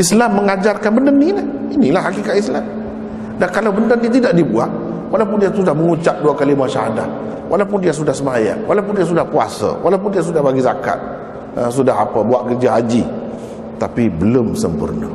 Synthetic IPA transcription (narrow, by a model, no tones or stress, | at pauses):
ʔislamːəŋad͡ʒarkanbəndənina | inilahɦhakikat̪islam | dankalawbəndənit̪idaʔ̚dibuat | walawp̬ʊndiasudahməŋut͡ʃap̚duakalimaʃaɦada̰t̪̚ | wʔalawpʊndias̬udahsəmaja̰nwʔalawp̬ʊndias̬udahpua̰sə̰wʔalawpʊndias̬udahbaɡizaka̰t̪̚ | s̬udaɦapəbuaʔkərd͡ʒaɦad͡ʒi | t̪apibəlʊmsəmpə̰rnə̰